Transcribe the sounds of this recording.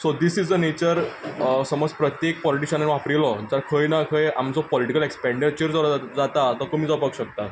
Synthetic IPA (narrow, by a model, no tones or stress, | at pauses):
sod̪isid͡zənet͡ɕəɾsəmɔd͡zpɾət̪jek̚pɔliʈiɕənaniʋapɾilɔd͡zaɾkʰəjnakʰəjamt͡sɔpɔliʈikəlekspɛ̃ɳɖit͡ɕəɾd͡zɔɾd͡zat̪at̪ɔkomiːd͡zɔpakɕək̚t̪a